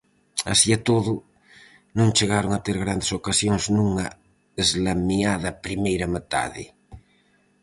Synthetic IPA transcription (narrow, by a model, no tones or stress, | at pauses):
a̰siat̪oðʊ | nõŋt͡ʃeɣaɾoŋat̪eɾɣɾand̪esokasjoŋznũŋa | ezlamiaðɐpɾimejɾamet̪a̰ðɪ̰